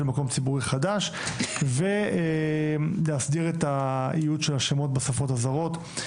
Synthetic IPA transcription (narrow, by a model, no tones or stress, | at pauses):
lmako̞mt͡sibuʁiχadaʃ | vee | leasd̪iʁetaijudʃelaʃemo̞t̚basafo̞thazaʁo̞t̪